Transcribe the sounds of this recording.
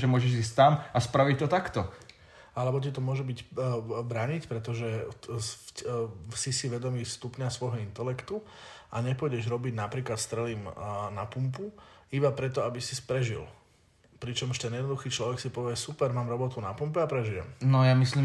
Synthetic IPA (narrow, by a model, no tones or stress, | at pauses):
ʒɛmʊɔʒɛʒiːs̬ʲt̪amaspɾaʋic̚t̪ɔt̪akt̪ɔ | alɛbɔc̬it̪ɔmʊɔʒɛbiɟbɾaːɲicpɾɛt̪ɔʒɛ | sisiʋɛd̪ɔmiːst̪upɲasʋɔjɦɔint̪ɛlɛkt̪uaɲɛpʊɔɟɛʒɾɔbiɟnapɾiːklat̪st̪ɾɛliːmnapumpuibapɾɛt̪̬ɔabisispɾɛʒḭl | pɾit͡ʃɔmuʃt̪ɛnjɛd̪nɔd̪uxiːt͡ʃlɔʋɛksipɔʋɪɛsupɛɾmaːmɾɔbɔt̪unapumpɛapɾɛʒijɛ̰mnɔjamisliː